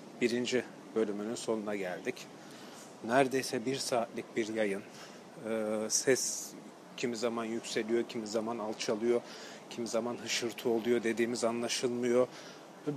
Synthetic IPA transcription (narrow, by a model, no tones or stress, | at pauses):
b̥iɾind͡ʒi | bø̞lʲymynynso̞nunaɟælʲd̪ic | næɾd̪e̞jsɛbiɾsaːt̪lʲic̚biɾjajɯn | ɯːsɛs | cʰimizamanjycʲse̞lʲijo̞cʰimizamanalˠt͡ʃʰalˠɯjo̞ | cʰimizamanɦɯʃɯɾt̪ʰuo̞lˠujo̞d̪e̞d̪iːmizanlˠaʃɯlˠmɯjo̞